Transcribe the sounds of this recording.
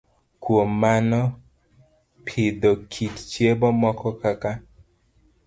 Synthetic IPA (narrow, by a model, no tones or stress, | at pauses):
kwomːanɔ | pʰɪd̪okʰitt͡ʃjebɔmɔkɔkaka